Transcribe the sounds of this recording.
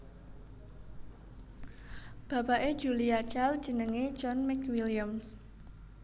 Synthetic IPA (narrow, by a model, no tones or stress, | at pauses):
b̥a̤paʔe̥ʒ̥uliat͡ʃald̥d͡ʒ̥ə̤nəŋe̥d͡ʒɔnmɛkwiliams